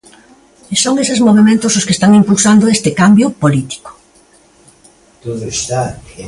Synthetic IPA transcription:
isoŋesezmoβemẽnt̪ʊsʊskest̪aŋimpulsand̪ʊest̪ɪkambjʊpolit̪i̥ko̥ | t̪oðoest̪a

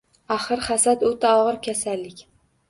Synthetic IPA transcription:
aχɨɾχasat̪ɵt̪ʰaɒʁɨɾkʲʰasalːɪkʲ

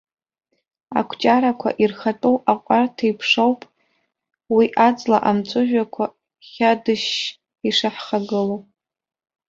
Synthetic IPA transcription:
a̰kʷʰt͡ʃʼaɾakʷʰa̰ʔirχatʼowaqʷʼartʰaipʰʂowpʼ | wiʔat͡sʼla̰ʔamt͡sʷʼʊʒᶣakʷʰa | χʲadɨʃ | iʂaħχaɡɨlow

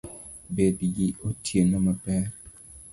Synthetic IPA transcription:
bediɡiotʰjenamapɛɾ

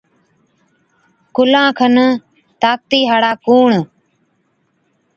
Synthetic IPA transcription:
kʊlãːkʰən | t̪aːk̚t̪iːɦaːɽaːkuːɳ

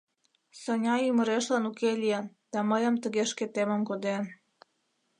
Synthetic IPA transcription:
sənʲɑyməɾeʃlɑnukelijen | d̪̥ɑməjəmt̪əɣeʃket̪eməmkod̪en

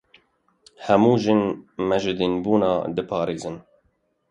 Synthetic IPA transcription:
hɛmuːʒɪnmɛʒɨd̪inbuːnɑːd̪ɨpʰɑːɾeːzɨn

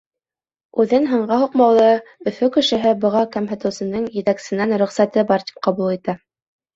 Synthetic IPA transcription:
ʉðɘnɦɤ̆ɴɢɑɦuqmɑwlˠɤɵ̆fɵkɘ̆ʃɘ̆ɦɘbɤ̆ʁɑkæmɦæ̆t̪ɘ̆wsɘ̆nɤɴjɘ̆t̪æksɘ̆nænɾɵ̆χsæt̪ɤbɑɾt̪i̥p̚qɑβulˠit̪æ

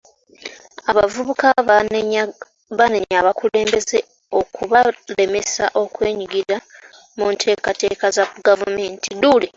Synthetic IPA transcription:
aβavuβuka | βaneɲaβakule̞ːmbe̞ze | o̞kʰuβale̞mesa̰ʔo̞kwe̞ːɲiɡiɾa | muntʰe̞ːkate̞ːkazaɡavume̞ːntʰidule

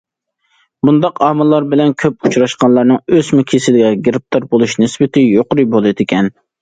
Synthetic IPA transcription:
bund̪ɑqɑmɨlˠːɑɾbɪlɛnkʲʰøp̚ut͡ʃɾɑʃqɑnlˠɑɾnɨŋøzmukʲʰesɪlɡʲɛɡʲeɾɪp̚t̪ʰɑɾbolˠuʃnɪsbɪt̪ʰɪjoqɾɨbolˠɨd̪ɪkʲɛn

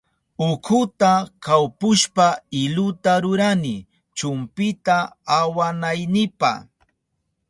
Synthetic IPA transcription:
ʊkʰʊt̪akawpʊʃpaɪlʊt̪aɾʊɾanɪ | t͡ʃʊmpɪt̪aːwanajnɪpa̰

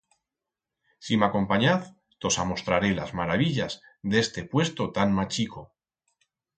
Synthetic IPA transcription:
simako̞mpaɲaθ | t̪o̞samo̞st̪ɾaɾe̞lazmaɾaβiʎaz | ðe̞st̪e̞pwe̞st̪ot̪anmat͡ʃiko̞

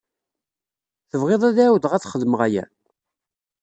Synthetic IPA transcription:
θəvʁeðˤæðæwðʁæt͡sːχəðməʁæjæ̰

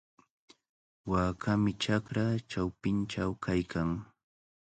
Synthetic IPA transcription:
waːkʰamɪt͡ʃakɾat͡ʃawpɪnt͡ʃawkʰajkʰaŋ

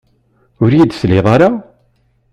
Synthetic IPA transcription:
ʊɾjid̪θleðˤaɾa

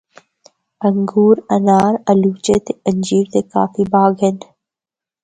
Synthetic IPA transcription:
əŋɡuːɾɐnaːɾəluːt͡ʃet̪eəɲd͡ʒiːɾt̪eka̰ːfibaːɡɦen

